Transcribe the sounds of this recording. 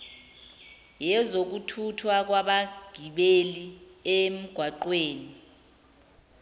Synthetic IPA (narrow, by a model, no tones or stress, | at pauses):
jɛzok̬utʰutʰwak̬waɓaɡ̥ʱiɓeliem̩ɡ̥ʱwaǃweːni